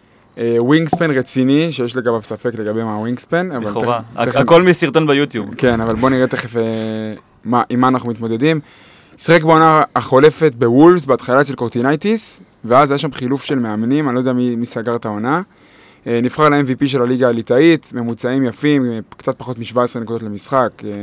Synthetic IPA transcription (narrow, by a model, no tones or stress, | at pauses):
ewiŋɡspenʁet͡siniʃejeʃleɡavavsafekle̞ɡabemawiŋɡspenavaleakolmisiʁt̪onbejut̪jubke̞navalbo̞niʁet̪eχefe | maʔimaːnaχnumit̪mo̞d̪e̞dim | sʁekbeo̞naːχo̞le̞fet̚bewulvsbeat̪χalaʃelkoʁt̪inajt̪is | veazajaʃamχilufʃe̞lmeamenimanlod̪eamimisaɡaʁt̪ao̞na | nifχaʁlaenvipiʃ̬e̞laliɡaːlitait̪me̞mut͡saimjafimkt͡sat̪̚paχo̞tmiʃvaesʁenekudo̞tle̞misχake